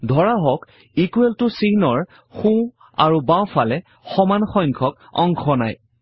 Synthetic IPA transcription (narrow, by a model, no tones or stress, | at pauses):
dʱɔɹaɦɔk | ikuɛltʊsinɔɹ | xũ | a̰ɹubãw̃falɛ | xɔmanxɔjŋkʰɔk | ɔ̰ŋkʰɔna̰j